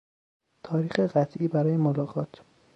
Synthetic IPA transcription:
t̪ʰɒːɾiːxeɢæt̪ʰʔiːbæɾɒːjemolɒːɣɒːt̪ʰ

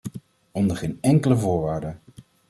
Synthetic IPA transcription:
ɔndəχejnɛŋkələvʊːɹʋaːɹdə

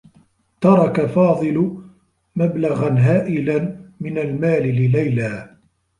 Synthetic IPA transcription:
t̪ɑɾˤɑkafɑːðˤɨlʊ | mablaɣanɦaːʔɪlanmɪnalmaːlɪlɪlajlaː

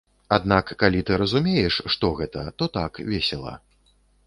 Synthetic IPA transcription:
ad̪nakːalʲit̪ɨɾɐzumʲejɛʂʂt̪ɔɣɛt̪ɐ̰t̪ɔt̪akvʲɛsʲɛlˠɐ̰

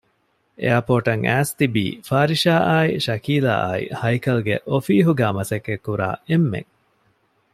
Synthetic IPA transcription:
ʔḛjapoːʈɐŋæːst̪ibḭːfaːɾiʃaːʔaːiʃɐkiːla̰ːʔa̰ːḭhɐjkɐlɡḛʔofiːɦuɡæːmɐsɐkːekːuɾa̰ːemːḛŋ

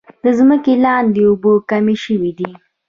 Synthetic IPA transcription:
d̪̥əzməkelɑnd̪eʊbokameʃəwid̪i

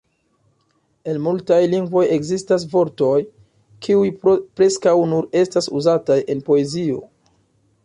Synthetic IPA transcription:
e̞nmultajliŋɡvo̞je̞ɡzistas̬vo̞ɾto̞j | kʰiujpɾe̞skawnuɾe̞stasuzatajʔe̞npo̞e̞zio̞̰

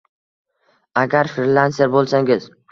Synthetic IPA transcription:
aɡʲaɾfɪɾlanseɾbolˠsaŋʲɪz

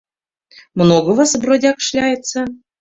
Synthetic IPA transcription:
mnoɡəvəsbrodʲɑkʂlʲæjət̪t͡sːə̆

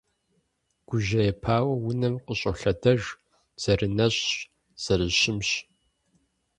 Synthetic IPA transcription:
ɡ̥ʷʊʒɐjɛpʰaːwɐwʊnɐmqəɕʼɐɬɐdɐʒ | z̥ɐrɨnɐɕʼɕ | z̥ɐrɨɕɪmɕ

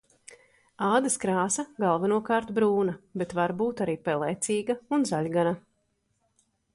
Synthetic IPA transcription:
aːd̪ɐskɾaːsɐɡalˠvanuɔkaːɾt̪bɾuːnabet̪vaɾbuːt̪aɾiːpɛlˠɛjt̪siːɡaunzaʎʲɡana

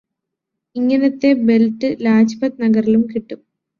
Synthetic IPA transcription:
iŋːɐnɐt̪ːe̞be̞ltːɨlaːd͡ʑpɐt̪nɐɡɐrilumkiʈːum

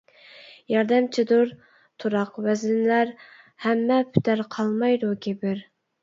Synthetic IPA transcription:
jɑɾd̪ɛmt͡ʃʰid̪uɾ | t̪ʰuɾɑqwɛzlɪnlæɾ | hɛmːɛpʰy̥t̪ʰæɾqʰɑlˠmɑjd̪ukʲʰebɪɾ

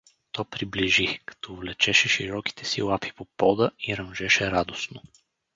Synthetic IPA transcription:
t̪ɔpɾibliʒikɐ̥t̪ɔvlɛt͡ʃɛʃɛʃiɾɔki̥t̪ʰɛ̥sḭlˠapi̥popɔd̪əiɾɐmʒɛʃɛɾad̪osno

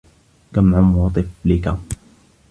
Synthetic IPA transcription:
kamʕamwɑt̪ˤɨflɪka

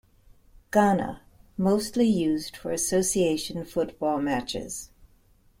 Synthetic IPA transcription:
ɡ̥ɑnə̰ | moʊstˡlijʉzd̥fə̰˞ɨsoʊsieɪʃɨ̃n̩fʊt̚b̥ɔlˠmæt͡ʃɪ̰z̥

